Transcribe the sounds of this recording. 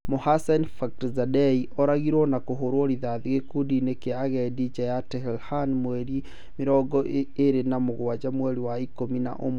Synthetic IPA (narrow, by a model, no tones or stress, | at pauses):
mohasanfaktzadɛiʔɔɾaɣiɾwɔnakoɦoɾwoɾiðaðiɣekudinekeaɣɛdid͡ʒɛjatɛhɛlhanmwɛɾi | meɾɔɡɔeɾenamoɣwad͡ʒamwɛɾiwaikomina̰ʔomo